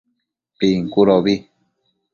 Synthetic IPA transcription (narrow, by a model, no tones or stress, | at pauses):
piŋkuɾoβi